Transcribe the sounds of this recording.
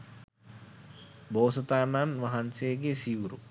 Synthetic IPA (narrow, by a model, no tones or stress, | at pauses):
boːsət̪ananʋaɦanseɡesiwuɾu